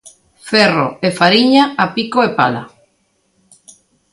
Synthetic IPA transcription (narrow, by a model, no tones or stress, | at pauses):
fɛro̰efaɾiɲaapikoepa̰la